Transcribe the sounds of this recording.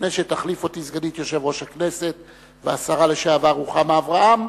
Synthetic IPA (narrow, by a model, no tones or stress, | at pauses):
neʃet̪aχlifo̞t̪izɡanit̪jo̞ʃevʁo̞ʃhakne̞se̞t̪ | veasaʁale̞ʃeavaʁuχameavʁaʔam